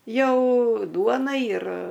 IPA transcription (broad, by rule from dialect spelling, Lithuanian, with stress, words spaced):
ˈjɛʊ ˈduɔnɐ ɪr